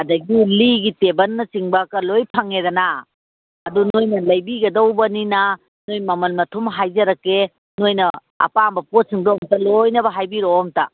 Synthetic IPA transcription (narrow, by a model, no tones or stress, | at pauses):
ɐdɐɡiliɡitebɐnːɐt͡ʃiŋbɐkɐlojpʰaŋedɐna | ɐdunojnɐlɐjbiɡɐdowbɐnina | nojmɐmɐnmɐtʰumɦajzɐɾɐkːe | nojnɐ | ɐ̰pambɐpot̚siŋdoɔmtɐlojnɐbɐɦajbiɾomtɐ